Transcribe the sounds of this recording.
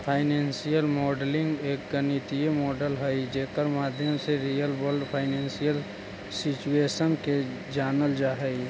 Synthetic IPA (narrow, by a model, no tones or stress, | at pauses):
pʰaːɪnẽːnsijəlmɔːɖlɪ̃ŋɡeːk̚ɡənɪt̪iemɔːɖəlɦəid͡ʒeːkəɾmaːd̪ʱjəmseɾijəlbəlɖpʰaːɪnẽːnsijəl | sɪt͡ʃueːʃənke | d͡ʒaːnəld͡ʒaːɦəi